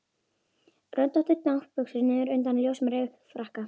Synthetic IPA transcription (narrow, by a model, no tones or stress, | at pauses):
rœnt̪ɔht̪ʏɾt̪nawhpʏksʏɾnɪʏɾʏnt̪anljowsmɾefɾahka